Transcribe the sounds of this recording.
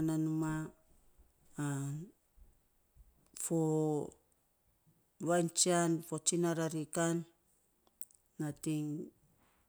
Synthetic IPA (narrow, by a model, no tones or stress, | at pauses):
nanuma | an | fo | βajnt͡ʃianfot͡ʃinaɾaɾikan | atiŋ